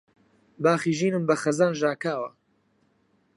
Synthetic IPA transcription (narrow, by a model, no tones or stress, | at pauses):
baːχiːʒiːnɨmbɐxɐzaːnʒaːkaːwɐ̰